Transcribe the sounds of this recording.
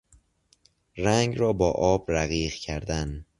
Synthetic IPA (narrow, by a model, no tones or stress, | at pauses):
ræŋɡɾɒːbɒːʔɒːbɾæɣiːɣcʰæɾd̪æn